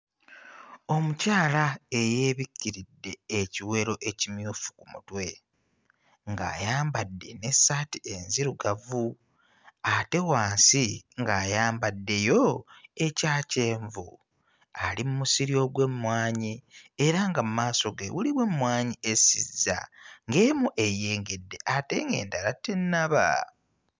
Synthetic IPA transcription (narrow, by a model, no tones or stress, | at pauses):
o̞mucaːlae̞jeːβikːiɾidːe̞ːciwe̞ɾo̞ʔe̞cimjuːfu̥kumṵtwe̞ | ŋɡa̰ːjaːmbadːe̞̰ne̞sːaːtie̞nziɾuɡavu | ate̞waːnsiŋɡaːjaːmbadːe̞jo̞e̞caːce̞ːɱvu | alimumusiɾio̞ɡwe̞mmwaːɲieɾaŋɡamumaːso̞ɡewuliβwe̞mwaːɲiesizːa̰ŋɡe̞ːmuʔe̞je̞ːŋɡe̞dːe̞ʔate̞̰ːŋɡe̞̰ːndalatːe̞nːaβa̰